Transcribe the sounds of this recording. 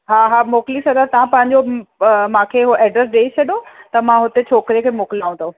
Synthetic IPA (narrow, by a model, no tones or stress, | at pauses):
ɦaːɦaːmoːklisʰɐd̪at̪ɐʋãpɐ̃ɦɪ̃ɲd͡ʑomãkʰeɦoʔɛːɖɾəsɗeːit͡ɕʰɐɗjot̪ɐmãɦʊt̪et͡ɕʰoːkɾekʰemoːklaːũt̪oː